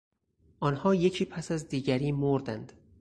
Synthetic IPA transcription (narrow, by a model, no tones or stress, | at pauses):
ʔɒːnhɒːje̞cʰiːpʰæsæzd̪iːɟæɾiːmoɾd̪ænd̪̥